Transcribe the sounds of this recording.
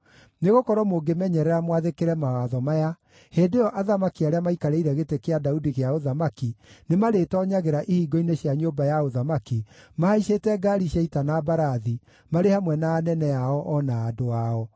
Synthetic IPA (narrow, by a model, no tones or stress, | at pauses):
neɣokɔɾɔmoɡemɛɲɛɾɛɾamwaðekeɾɛmawaðɔmaja | heːdeɔʔaðamakiaɾeamaikaɾɛiɾɛɣetekeadaudiɣeaoðamakinemaɾetɔːɲaɣeɾaʔihiːɡɔineɕjaɲoːbajaoðamakimahaiʃetɛɡaɾiɕjaitanaːbaɾaði | maɾehamwɛnaːnɛnɛaɔʔɔnaːdoaɔ